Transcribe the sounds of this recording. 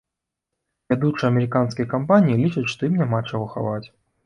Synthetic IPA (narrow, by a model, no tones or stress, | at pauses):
vʲad̪ut͡ʂɨɐmʲɛɾɨkanskʲijɐkampanʲijilʲit͡ʂɐt͡sʲʂt̪ɔjimnʲamat͡ʂaɣɔxa̰vat͡sʲ